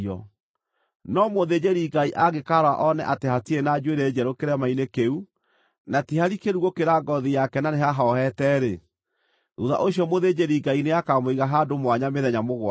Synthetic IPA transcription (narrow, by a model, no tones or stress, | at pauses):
ɔ̰ | nɔmoðed͡ʑeɾiɡaiʔaɣekaɾwa̰ʔɔnɛ̰ʔatehatienad͡ʒweɾed͡ʑɛɾokeɾɛmainekeu | natihaɾikeɾuɣokeɾaɡɔðijakɛnaneɦaɦɔɔhɛtɛːɾe | ðuða̰ʔoɕjɔmoðed͡ʑeɾiɡaineakamoiɣaɦadomwaɲameðɛɲamoɣwa